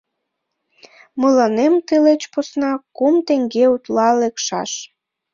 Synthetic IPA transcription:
məlɑnemt̪əlet͡ɕposnɑkumt̪eŋɡeut̪lɑlekʃɑ̰ʃ

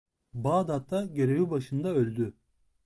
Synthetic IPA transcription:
baːd̪at̪ʰːaɟe̞ɾe̞vibaʃɯnd̪aølʲd̪y

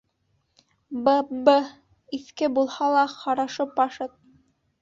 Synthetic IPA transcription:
bəbə | iθkɘbulˠhɑlˠɑqɑɾɑʃɤpɑʃɤt̪̚

